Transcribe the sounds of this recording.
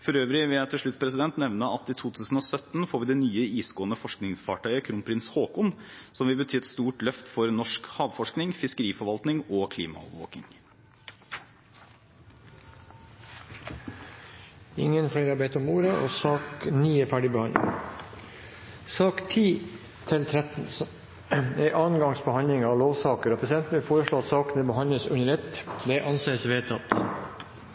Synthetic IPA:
fɔɾøːʋɾɪʋɪljæt̪ʰɪʂɭʉt̪spʰɾɛsɪd̪ɛnt̪nɛʋnəɑt̪iːt̪ʰuːt̪ʰʉːsn̩oːsœt̪n̩foːɾʋɪːd̪ɛːnyːəiːsɡoːənəfɔʂknɪŋsfɑːʈʰœʏəkʰɾʊnpʰɾɪnshoːkʊn | sɔmʋɪlbət̪ʰyːɛt̪st̪uːʈlœft̪fɔɾnɔʂkhɑːʋfɔʂknɪŋfɪskəɾiːfɔɾʋɑlt̪nɪŋoːkʰlḭːmɑ̰ɔ̰ʋʋo̰ːkɪ̰ŋ | ɪ̰ŋənfɽeːɾɑbeːt̪ɔmːuːɾɑʔo̰ːsɑːkniːefæːɖɪbəhɑnd̪lɪ̰ŋ | sɑːkt̪ʰiː | t̪ʰɪlt̪ʰɾɛt̪n̩s | ɛʔɑːnɡɑŋsbəhɑnd̪lɪŋɑːʋloːʋsɑːkəɾoːpʰɾɛs̬ɪd̪ɛnt̪n̩ʋɪlfoːɾəʂɭoːɑt̪sɑːknəbəhɑnləsʉ̰nəɾɛt̪d̪ɛʔɑnseːəsʋeːt̪ʰɑt̪

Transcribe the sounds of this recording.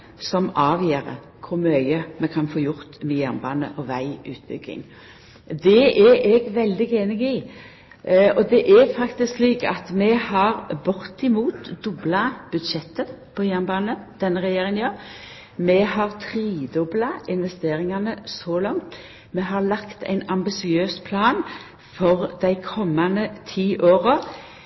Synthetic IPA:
sɔmɑːʋjeːɾə̰ | kʰʊɾmœʏəmɛkʰɑnfoːjʊɾt̪mɛjæʁnbɑːnə̰ʔɔʋæɪʉ̰ːt̪̚bʏ̰ɡɪ̰ŋ | d̪ɛʔɛʔɛɡʋɛld̪ɪɡeːnɪɡɪ | ɔd̪ɛʔɛɾfɑkt̪ɪskliːkɑ̰t̪mɛhɑɾbʊɾt̪ɪmuːt̪d̪ʊblɑb̥ʉd̪ʃɛt̪ːəpʰoːjænbɑːnəd̪̥ɛnːəʁɛjeːɾɪŋənjɑː | mɛhɑʁt̪ʰɾiːd̪ʊblɑɪnʋɛst̪eːɾɪŋɑnəsɔlɑŋt̪ | mɛɦɑlɑkt̪æ̰ɪnɑmbɪsɪøːspʰlɑːn | fɔʁd̪æɪkʰɔmːɑnət̪ʰiːʔoːʁə

